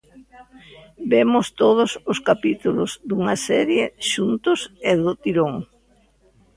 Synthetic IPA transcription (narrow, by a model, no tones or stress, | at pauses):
bemʊst̪oð̞ʊsʊskapit̪ulʊzd̪uŋɐsɛɾjeʃunt̪ʊseðʊt̪iɾoŋ